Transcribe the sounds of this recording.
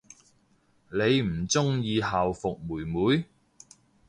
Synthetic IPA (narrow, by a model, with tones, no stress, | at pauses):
le˨˧jm̩˨˩t͡sʊ˥ŋjiː˨˧ɦaː˨wfʊ˨k̚muː˨˩jmuː˨˧˥j